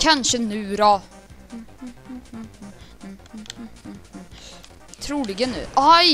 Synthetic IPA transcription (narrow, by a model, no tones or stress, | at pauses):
kʰanʂənʉːɾɔ | t̪ʰɾuːlɪɡənʉ̰ːʔa